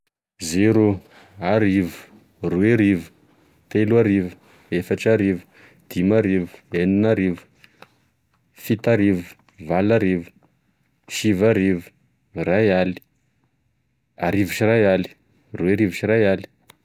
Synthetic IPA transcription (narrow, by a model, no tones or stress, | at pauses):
zeɾu | aɾivu̥ | rueɾivu̥ | t̪eluaɾivu̥ | efaʈ͡ʂaɾivu̥ | d̪̥imaɾivu̥eninaɾivu̥ | fit̪aɾivu̥ | valaɾivu̥ | ʃivaɾivu̥ | rajali̥ | aɾivuʃirajali̥ | rueɾivuʃirajali̥